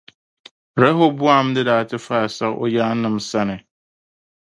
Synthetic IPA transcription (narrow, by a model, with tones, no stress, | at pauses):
ɾɛ˦ɦo˦bu˦a˦m̩˦dɪ˦daː˨tʰɪ˦fa˦˨sa˦ʔɔ̰˦ja˦nɪ̃˦msa˦nɪ̃˨